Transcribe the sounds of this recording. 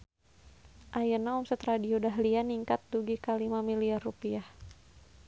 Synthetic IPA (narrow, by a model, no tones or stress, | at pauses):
ʔajənaumsət̪ɾadiodaɦlianiŋkat̪̚duɡikalimamiliarupiah